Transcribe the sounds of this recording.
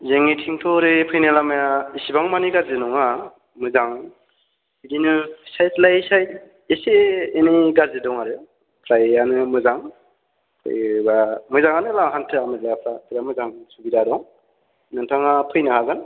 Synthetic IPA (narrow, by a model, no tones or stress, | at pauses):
zeŋitʰiŋtʰɔɾɯpʰɯjnɯlamajaisibaŋmaniɡazɯnɔŋa | mɯzaŋ | idinɯsajtlajsajt̚ | eseːniɡazedɔŋaɾɯ | pʰɾajanɯmɯzaŋ | pʰɯ̰jbamɯzaŋanɯlaɦantʰɯamɯtlajapʰɾatʰɯɾamɯzaŋsubidadɔŋ | nɯntʰaŋapʰɯjnɯhaɡan